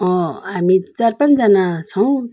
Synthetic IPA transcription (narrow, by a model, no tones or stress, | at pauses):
ʌɦamit͡sarpant͡sd͡zʌnat͡sʰʌw̃